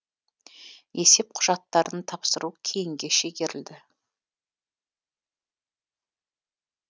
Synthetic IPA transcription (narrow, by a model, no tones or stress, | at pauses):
je̞se̞p̚qʰʊʒɑt̪ːɑɾənt̪ʰɑpsəɾukʲʰe̞jɪŋɡʲe̞ʃeɡʲe̞ɾɪld̪ɪ